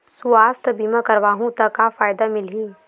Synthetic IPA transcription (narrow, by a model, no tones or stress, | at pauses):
suaːst̪ʰbiːmãkɐɾʋaːɦũt̪ɐkafaːjd̪amɪlɦiː